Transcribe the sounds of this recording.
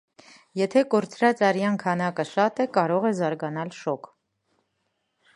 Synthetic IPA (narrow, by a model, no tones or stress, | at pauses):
jɛt̪ʰɛkɔɾt͡sʰɾɑt͡sɑɾjɑnkʰɑnɑkəʃɑt̪ɛkɑɾɔʁɛzɑɾɡɑnɑlʃɔkʰ